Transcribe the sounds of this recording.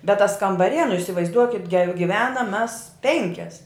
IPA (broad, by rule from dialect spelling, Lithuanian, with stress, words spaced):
bʲɛt tɐs kɐmbɐˈrʲiɛ nʊ ɪsʲɪʋɐɪzˈduɔkʲɪt ɡʲɛ ɡʲɪˈʋʲæːnɐm mʲɛs ˈpʲɛŋʲkʲɛs